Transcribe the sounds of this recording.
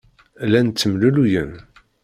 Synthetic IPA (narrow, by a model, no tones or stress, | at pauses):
lænt͡s̪ːəmlulujən